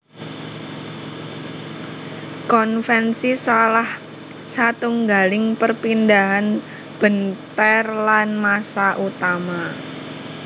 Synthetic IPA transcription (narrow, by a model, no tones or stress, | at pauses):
kɔnfɛnsisalah | sat̪uŋɡalɪŋpərpindaɦan | b̥ənt̪ɛrlanmasaʔut̪ama